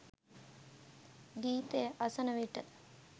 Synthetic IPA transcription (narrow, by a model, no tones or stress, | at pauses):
ɡ̪iːt̪ejəʔɐsənəʋiʈə